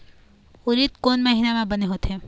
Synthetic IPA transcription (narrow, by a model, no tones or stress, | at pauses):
ʊɾiːt̪koːnmɐɦiːnamãbɐneɦoːt̪ẽ